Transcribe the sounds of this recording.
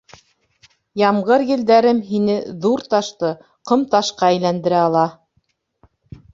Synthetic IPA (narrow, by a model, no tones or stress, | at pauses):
jɑmʁɤɾjɘ̆ld̪æɾɘmɦinɘðuɾt̪ɑʃt̪ɤ | qɤ̆mt̪ɑʃqɑæjlænd̪ɘ̆ɾæɑlˠɑ